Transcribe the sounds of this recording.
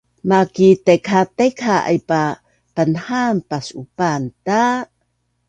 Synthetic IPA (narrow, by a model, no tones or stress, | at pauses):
makitekʰatekʰaʔa̰jpa | pənhampasupanta